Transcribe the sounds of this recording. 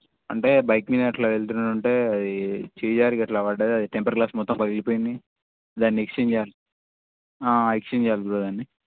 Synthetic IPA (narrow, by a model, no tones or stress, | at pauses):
ɐɳʈe̞ːbɐjkminɐʈlɐʋeɭt̪̬unuɳʈe̞ːɐd̪it͡ʃiːd͡ʒaːɾikɐʈlɐʋɐɖɐd̪iɐd̪iʈempɐɾklaːsmɔt̪ːɐmpɐlilipoːjindi | d̪aːnːiekst͡ʃeːɲd͡ʒɛjaːli | aːekt͡ʃeɲd͡ʒɛjaːliɡuɾod̪aːnːi